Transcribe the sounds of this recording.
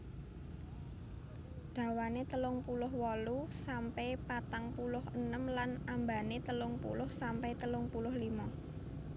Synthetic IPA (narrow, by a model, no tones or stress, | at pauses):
d̪̥ä̤wanet̪əlʊŋpulʊɦwɔlusampɛpat̪aŋpulʊhənəmlanamba̤net̪əlʊŋpṵlʊhsampɛjt̪əlʊŋpulʊhlimɔ